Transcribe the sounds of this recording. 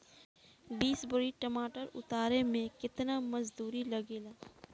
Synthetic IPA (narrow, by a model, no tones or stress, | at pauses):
biːsbəɾiʈɐmaːʈəɾʊ̰t̪aːɾemẽkɪt̪namɐzd̪uːɾilɐɡeːlaː